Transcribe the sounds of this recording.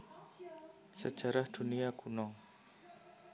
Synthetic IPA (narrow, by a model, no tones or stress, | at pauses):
səd͡ʒaɾahdunijakʰunɔŋ